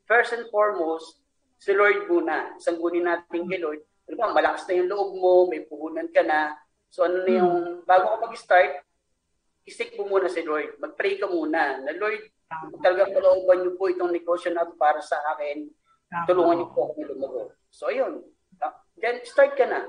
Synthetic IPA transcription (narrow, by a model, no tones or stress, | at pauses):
fɛɹsɛnd̪foɹmowst̪̚ | sɪloɹd̪̚muːnɐsɐŋɡuːnɪnaːt̪ɪŋkɐjlo̞ɹd̪̚ | ɐlbaŋmɐlɐkasnɐjʊŋlʊʔob̚mo̞mɐjpʊhuːnɐnkɐna | so̞ʔɐnonɐjʊŋbaːɡokɐmɐɡɪst̪aɹt̪̚ | ʔɪsɪk̚pʊmuːnɐsɪloɹd̪̚mɐɡ̚pɾɛjkɐmuːnɐnɐloɹd̪̚ | ɐt̪ɐlɐɡaŋt̪ɐloʔoːbɐnɲopʊʔɪt̪oŋnɛɡo̞ːsonɐt̪paːɾɐsɐʔaːkɪn | t̪ʊluːŋɐnɲopʊʔɐkonɐlʊmɐɡo̰ | so̞ʔɐjo̞n | ɐ | d͡ʒɐnst̪aɹt̪̚kɐnɐ